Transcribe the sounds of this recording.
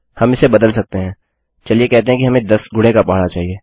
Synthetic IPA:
hɐmɪsebɐd̪əlsɐk̚t̪eɦɛ̃ː | t͡ʃɐliekɛɦt̪eɦɛ̃kiɦɐmẽd̪ɐsɡʱʊɽ̤ekapaːɦɽat͡ʃaːɦieː

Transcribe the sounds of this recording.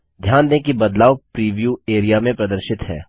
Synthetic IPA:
d̪ʱjaːnd̪ẽkibɐd̪laːʋpɾiːʋjueːɾijamẽpɾɐd̪əɾʃɪt̪ɦɛ̰ː

